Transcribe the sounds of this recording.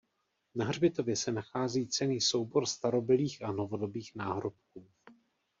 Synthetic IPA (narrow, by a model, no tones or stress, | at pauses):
naɦr̝bɪt̪o̞vjɛsɛnaxaːziːt͡sɛniːso̞wbo̞ɾst̪aɾo̞bɪliːxʔano̞vo̞do̞biːxnaːɦɾo̞p̚kuː